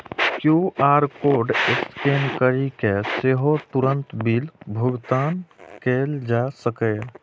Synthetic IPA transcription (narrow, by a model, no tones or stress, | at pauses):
kjuaːɾkoɾɖɪskeːnkəɾikeseɦot̪uɾənt̪biːlbʱʊɡt̪aːnkeːld͡ʒasəkɛ